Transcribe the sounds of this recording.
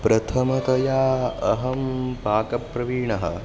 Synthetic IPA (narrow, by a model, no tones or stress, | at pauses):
pɾɐt̪ʰɐmɐt̪ɐjaːɐɦɐmpaːkɐpːɾɐʋiːɳɐɦɐ̰